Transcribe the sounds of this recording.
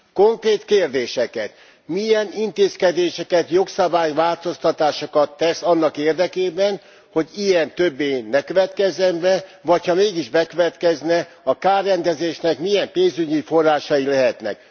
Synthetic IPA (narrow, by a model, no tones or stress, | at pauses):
ko̞ŋkreːt̪keːrd̪eːʃɛkɛt̪ | mijɛnint̪eːskɛd̪eːʃɛkɛt̪jo̞ksɒbaːjʋaːlt̪o̞st̪ɒt̪aːʃokɒt̪ːɛsɒnːɒkeːrd̪ɛkeːbɛn | ho̞ɟijɛnt̪øbːeːnːɛkøvɛt̪kɛzɛmbɛvɒchɒmeːɡiʒbɛkøvɛt̪kɛznɛ | ɒkaːrːɛnd̪ɛzeːʃnɛkmijɛmpeːnzyɟifo̞rːaːʃɒjilɛɦɛt̪nɛ̰k̚